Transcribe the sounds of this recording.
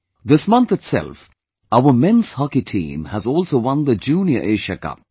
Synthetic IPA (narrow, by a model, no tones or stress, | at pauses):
d̪ɪsmʌ̃nt̪ɨtsɛ̰lf | aʊəmɛ̃nshɑkitʰḭ̃ːmæzɔːlˠsoːwʌ̃nd̪əd͡ʒũːnjə̰ɹʔeːʃəkʌ̰p̚